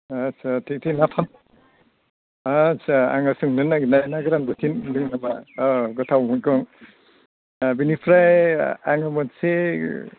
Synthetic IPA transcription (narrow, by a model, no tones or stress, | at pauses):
asatʰik̚tʰinapʰan | asaa̰ŋasɯŋnɯnaɡinajnaɡɯɾanbɯtʰinlɯŋnamaɡɔtʰawmukɔŋ | binipʰɾajaŋamɔnse